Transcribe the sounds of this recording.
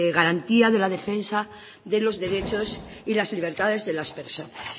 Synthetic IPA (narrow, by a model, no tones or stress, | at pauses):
eɣaɾant̪iaðe̞laðe̞fe̞nsa | ðe̞lo̞zðe̞ɾet͡ʃo̞s | ilazliβ̞e̞ɾt̪aðe̞zðe̞laspe̞ɾso̞nas